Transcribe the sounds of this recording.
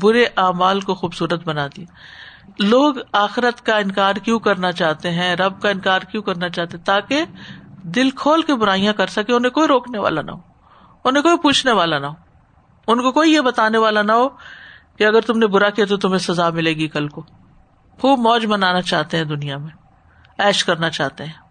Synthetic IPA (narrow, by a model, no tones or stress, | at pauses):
bʊɾeʔaːmaːlkoxuːbsuːɾət̪bɐnaːd̪ia | loːɡaːxɪɾət̪kaɪnkaːɾkjũkɐɾnat͡ʃaːɦt̪eɦɛ̃ɾɐb̚kaɪnkaːɾkjũkɐɾnat͡ʃaːt̪eɦɛ̃t̪aːked̪ɪlkʰoːlkebʊɾaːijãkɐɾsɐkẽʊnɦẽkoːiɾoːkneʋa̰ːla̰nɐ̰ɦoː | ʊnɦẽkoːipuːt͡ʃʰneʋaːlanɐɦoː | ʊnkokoːijebɐt̪aːneʋaːlanɐɦokeɐɡəɾt̪ʊmnebʊɾakijat̪̬ot̪ʊmẽsɐzamɪleːɡikɐlko | xuːbmɔːd͡ʒmɐnaːnat͡ʃaːɦt̪eɦɛ̃d̪ʊnijamẽ | ɛːʃkɐɾnat͡ʃaːɦt̪eɦɛ̃ː